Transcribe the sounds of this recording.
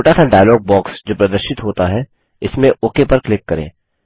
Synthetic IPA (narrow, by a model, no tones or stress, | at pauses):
oːʈasʰɛ̃ɖaːjlɔːɡ̚bɔːksd͡ʒoːpɾɐd̪əɾʃɪt̪ɦoːt̪aɦɛ | ɪsmẽʔoːkepɐɾklɪkːɐɾḛ̃ː